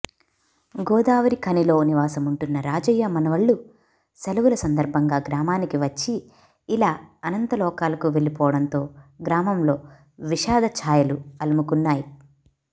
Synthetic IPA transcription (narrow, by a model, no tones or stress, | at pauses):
ɡɔːd̪aːʋɐɾikʰɐnilo̞ːniʋaːsɐmuɳʈunːɐɾaːd͡ʒɐjːɐmɐnɐʋɐɭːu | sɐlɐʋulɐsɐnd̪ɐɾbʱɐŋɡaːɡɾaːmaːnikiʋɐt͡ʃːiː | laːɐnɐnt̪ɐlɔːkaːlɐkuʋe̞ɭipɔːʋɐɽɐnt̪o̞ːɡɾaːmɐmlo̞ː | ʋiʃaːd̪ʱɐt͡ʃʰaːjɐluɐlɐmukunːaːji